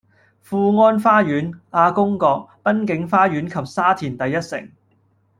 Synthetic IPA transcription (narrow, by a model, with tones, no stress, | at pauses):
fuː˧ŋɔː˥nfaː˥jyː˨˥naː˧kʊ˥ŋkɔː˧k̚pɐ˥nkɪ˨˥ŋfaː˥jyː˨˥nkʰɐ˨p̚saː˥t̪ʰiː˨˩nt̪ɐ˨jːɐ˥t̚sɪ̰˨˩ŋ